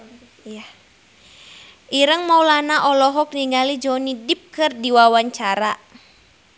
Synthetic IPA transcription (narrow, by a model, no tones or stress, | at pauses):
ja | ʔiɾəŋmaulanaʔɔlɔɦɔk̚niŋɡalid͡ʒɔnidip̚kɨrdiwawaɲt͡ʃaɾa